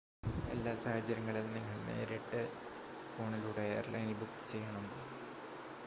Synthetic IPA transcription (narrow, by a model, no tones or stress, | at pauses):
e̞̰lːaːsaːhɐt͡ɕːɐɾɐŋːɐɭilniŋːɐɭne̞̰ːɾiʈːɨ | foːɳiluːɽeḛːrlɐ̰jnbukːt͡ɕe̞jːɐɳɐmo